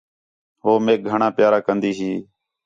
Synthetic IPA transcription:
ɦoːmeːk̚ɡʱəɳãːpjaːɾaːkənd̪iːɦiː

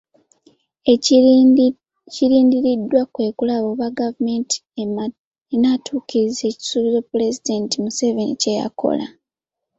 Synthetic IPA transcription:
ciɾiːndiɾidːwakwe̞ːkulaβo̞ːβaɡavume̞ntʰi̥e | enaːtʰuːkiɾize̞ːci̥suβizo̞pule̞zide̞ntimuse̞venḭce̞ja̰kʰo̞̰la̰

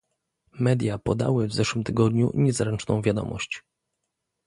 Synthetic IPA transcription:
mɛd̪ʲjapɔd̪a̰wɘvzɛʂwɘmt̪ɘɡɔd̪ɲṵɲɛzɾɛnt͡ʂnɔ̃w̃vʲjad̪ɔ̰mɔ̰ɕt͡ɕ

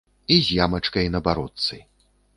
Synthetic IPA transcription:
izʲjamɐt͡ʂkɐjnɐbaɾɔt̪sɨ

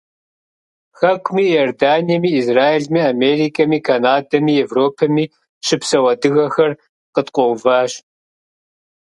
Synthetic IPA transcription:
xɐkʷʰʼmiːjordaːnijɛmiːzraːeɮmiːameːɾiːkʰʼɐmiːkʰanaːdɐmiːevroːpʰɐmiː | ʃɪpsɐwɐdɨɣɐxɐr | qət̪ʼqʷʼɔwvaːɕ

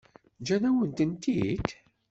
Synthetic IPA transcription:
d͡ʒænæwənt̪ənt̪id̪

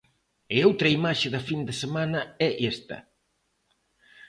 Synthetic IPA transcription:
ɪowt̪ɾɐimaʃɪðɐfind̪ɪsemanɐɛʔest̪ɐ̰

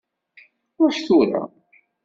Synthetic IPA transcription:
ʊɾʃθuɾa̰

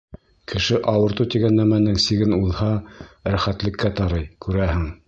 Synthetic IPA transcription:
kʰɘ̆ʃɘʔɑwɤ̆ɾt̪ut̪iɡænːæmænɘŋsiɡɘnulˠhɑɾæχæt̪lɘ̆kːæt̪ɑɾɤjkʉɾæhɘŋ

